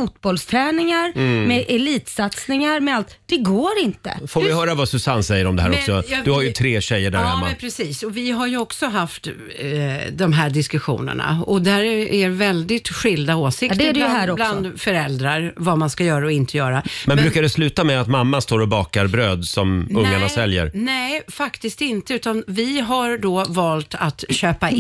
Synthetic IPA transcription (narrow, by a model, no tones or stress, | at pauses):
fut̪bɔlst̪ʰɾɛːnɪŋaɾmɛʔɛliːt̪sat̪snɪŋaɾmɛalt̪d̪̥ɛɡoːɾɪnt̪ə̰foːɾɪɦœːɾavasɵsanːsɛjːəɾɔmd̪ɛɦæːɾɔksɔjd̪ɵhaɾjɵt̪ʰɾeːɕɛjːəɖæ̰ɾhɛmːapʰɾɛsiːsɔvɪɦaɾjɵɔksɔɦaft̪ | d̪ɔmɦæɖɪskɵɧṵːnə̰ɳa̰ɔd̪æɾæɾvɛld̪ɪt̪ɧɪld̪aoːsɪkd̪dɛhɾɔbland̪fœɾɛld̪ɾaɾvamanskajœːɾaɔɪnt̪ʰəjœːɾamɛnbɾʉ̟ːkaɖɛslʉ̟ːt̪amɛat̪mamːast̪oːɾɔbɑːkaɾbɾøːd̪sɔmɵŋːaɳasɛljə̰ɾnɛːfakt̪ɪst̪ɪnt̪əʉ̟ːt̪anvɪɦaɾɖoːvɑːlt̪at̪ɕøːpa